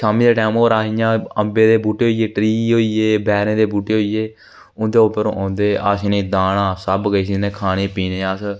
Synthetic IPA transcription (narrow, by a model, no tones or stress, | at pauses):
ʃaːmiːd̪eːʈaːmoːɾaːijãːəmbeːd̪eːbuːʈeːɦoːiːeːʈɾiːɦoːiːeːbɛːɾẽːd̪eːbuːʈeːɦoːiːeː | ʊnd̪eːopəɾõːʔãːnd̪eːʔaːsnẽːd̪aːnãːsəbɡəiːs̬inẽːkʰaːɽeːpiːnẽːəs